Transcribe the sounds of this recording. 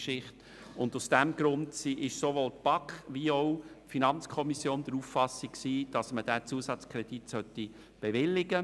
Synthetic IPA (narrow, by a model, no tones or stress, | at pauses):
ʃɪχt | ʊndusd̥æmɡ̥ɾʊndsiʔɪʃsoʋoːltpɑkχʋiɔʊfinɑnt͡skʰɔmisjoːnd̪əɾufːɑsːiksiːd̥ɑsməd̥æt͡suəsɑt͡skʰɾɛd̥itsœt̪ːi | b̥eʋɪlːɪɡə